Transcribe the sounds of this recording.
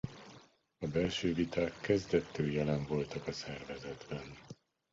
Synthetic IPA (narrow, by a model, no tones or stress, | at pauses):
ɒbɛlʃøːvit̪aːkʰːɛzd̪ɛt̪ːøːjɛlɛɱvo̞lt̪ɒkɒsɛrvɛzɛd̪bɛn